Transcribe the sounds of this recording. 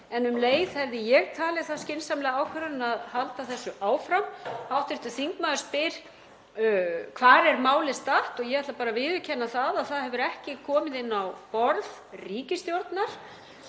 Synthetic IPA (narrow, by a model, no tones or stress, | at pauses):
ɛnʏmleːjðhɛvðɪjɛɣt̪ʰaːlɪθaðscɪnsamlɛɣaːwkʰvɛɾanɪnaðhalt̪aθɛsːʏʔaːwfɾamhawht̪ɪht̪ʏθiŋkmaðʏɾspɪɾ̥ | kʰvaːɾɛɾmaːwlɪst̪aht̪ɔɣjɛɣvɛht̪lapaːɾavɪðʏcʰɛnːaθaðaθaðɦɛvʏɾɛhcɪkʰɔːmɪðɪnːawpɔɾð | riːcɪst̪jowɾt̪naɾ̥